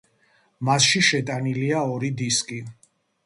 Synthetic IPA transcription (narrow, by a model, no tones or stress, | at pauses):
masʃiʃɛt̪ʼaniliaɔɾid̪iskʼi